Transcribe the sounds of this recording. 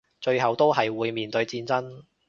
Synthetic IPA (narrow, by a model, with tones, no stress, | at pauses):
t͡ʃɵ˧ɥɦɐ˨wt̪o˥wɦɐ˨jwuː˨˧jmiː˨nt̪ɵ˨˧ɥt͡siː˧nt͡sɐ˥n